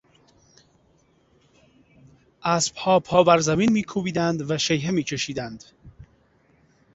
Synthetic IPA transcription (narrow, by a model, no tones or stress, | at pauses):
ʔæsb̥hɒːpʰɒːbæɾzæminmiːkʰuːbiːd̪ænd̪væʃejɦemiːt͡ʃʰeʃiːd̪ænd̪̥